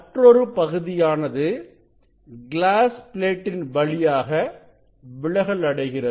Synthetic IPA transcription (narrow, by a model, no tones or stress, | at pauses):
ɐʈrɔɾɯpɐɣɯðɪjaːnɐðɯ | ɡɪlaːspɪleːʈːɪnʋɐɭɪjaːɣɐ | ʋɪɭɐɣɐɭɐɽɐɪɣɪrɐð